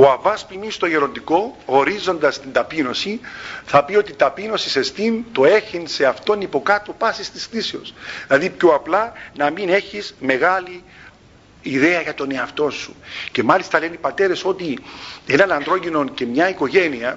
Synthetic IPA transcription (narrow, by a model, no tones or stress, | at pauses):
oɐvɐspimist̪o̞ʝeɾo̞nd̪iko̞oɾizo̞nd̪ɐst̪ind̪ɐpino̞siθɐpio̞t̪it̪ɐpino̞sise̞st̪int̪o̞e̞çinse̞ɐft̪o̞nipo̞kat̪opɐsist̪isθiseo̞̰slɐðipçoɐplɐnɐmine̞çizme̞ɣaliː | ðe̞ɐʝɐt̪o̞ne̞ɐft̪o̞nsṵce̞mɐlist̪ɐle̞nipɐt̪e̞ɾe̞so̞t̪ie̞nɐnɐnd̪ɾo̞ʝino̞nce̞mɲɐiko̞ʝe̞niɐ